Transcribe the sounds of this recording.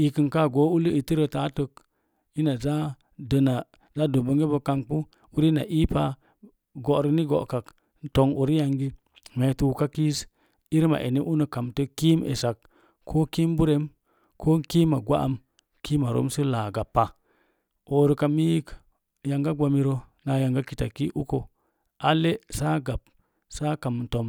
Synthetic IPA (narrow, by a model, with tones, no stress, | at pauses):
i˨ki˨nka˦˨ɡo˨˦u˦lu˦i˨ti˦ɾə˨ta˦tə˨k̚ | i˦na˨d͡ʒa˦ | də˨na˨ | za˦do˨bə˦ŋɡe˦bə˨ka˦ŋk͡pu˦ | u˦ɾi˦na̰˨ʔi˦pa˦ | ɡo˨ʔɾi˦ni˦ɡo̰˨ʔka˨k | n̩˦to˨ŋu˨ɾi˦ja˨ŋɡi˦ | me˨tu˦ka˦ki˦s | i˦ɾma̰˨ʔḛ˨ni˦ʔu˦nə˨ka˨mtə˦ki˦mḛ˨sa˨k | kʰo˦ki˦mbu˦ɾe˨˦m | kʰo˦ŋ˦ki˦ma˨ɡʷa̰˦a̰˨m | ki˦ma˨ɾo̰˦msi˦laː˨ɡa˨pːa˨ | o˨ɾu˨ka˨mi˦k | ja˨ŋɡa˦ɡʷa˨mi˦ɾo˦ | na˨ja˨ŋɡa˦ki˨ta˨ki˦ʔu˦ko˨ | a˦le˦sa˦ɡa˨p | sa˦ka˨m˨n̩˨to˨m